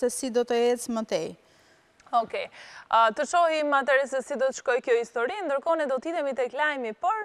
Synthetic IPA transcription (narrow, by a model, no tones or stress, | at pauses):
sɛsid̪ɔt̪əɛt͡smət̪ɛ | ɔkɛət̪əʃɔhimat̪ɛɾɛsɛsid̪ɔt̪əʃkɔjkjɔhist̪ɔɾind̪əɾkɔnɛd̪ɔt̪it̪ɛmit̪ɛklajmipɔɾ